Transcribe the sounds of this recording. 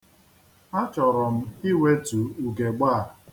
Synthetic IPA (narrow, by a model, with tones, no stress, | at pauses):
a˦t͡ʃɔ˨ɾɔ˨m̩˦i˦we˦tu˨u˨ɡe˨ɡ͡ba˦˨ɾ